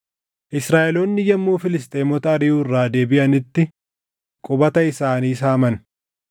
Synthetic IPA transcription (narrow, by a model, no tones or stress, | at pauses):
ʔɪsɾaːʔɛloːnːɪjɐmːuːfɪlɪs̬t̪ʼeːmɔt̪ɐːɾɪjuːɪrːaːd̪e̞ːbɪʔɐnɪt̪ːɪ | kʼʊbɐt̪ɐɪsaːniːsaːmɐn